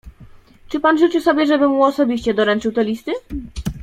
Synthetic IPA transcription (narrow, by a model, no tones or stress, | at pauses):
t͡ʂɘpanʐut͡ɕɘwsɔbʲjɛʐɛbɘmuɔsɔbʲiɕt͡ɕɛd̪ɔɾɛnt͡ʂɘwt̪ɛlʲist̪ɘ